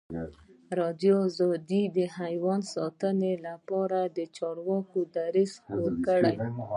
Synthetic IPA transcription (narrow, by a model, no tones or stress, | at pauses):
ɾɑd̪joːzɑd̪id̪əhajwɑnsɑt̪ənelapɑɾad̪ət͡ʃɑɽwɑkod̪aɾispoɾkəɽaj